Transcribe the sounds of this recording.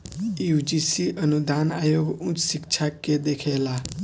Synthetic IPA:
jud͡ʒisiʔʌnud̪anajoɡũt͡ssikt͡ʃʰakːed̪ekʰela

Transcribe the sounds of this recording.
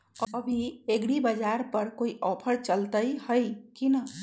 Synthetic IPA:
əəbʱieɡɽibəd͡ʒaɾpəɾkoiʔɔpʰəɾt͡ʃəlt̪əjhəjkinə

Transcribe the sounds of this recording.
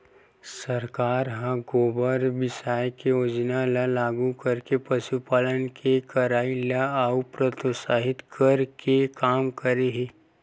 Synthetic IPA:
səɾkaːɾɦãɡoːbəɾbɪsaːjkeoːd͡ʒnalalaːɡukəɾkepɐʃupaːlənkʰekɐɾaːilaaupɾət̪osaːɦɪt̪kʰɐɾkʰekaːmkəɾeɦẽː

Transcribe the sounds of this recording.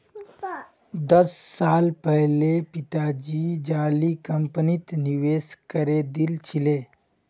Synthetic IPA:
d̪əsːalpəɦlepit̪ad͡ʒid͡ʒalikəmpnit̪niʋeskəɾed̪ilt͡ʃʰile

